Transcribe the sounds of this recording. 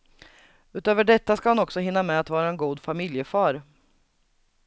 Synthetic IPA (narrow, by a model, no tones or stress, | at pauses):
ʉ̟ːt̪øːvəɖɛt̪ːaskahanɔksɔɦɪnːamɛat̪vɑːɾaɛnɡuːd̪famɪljəfɑːɾ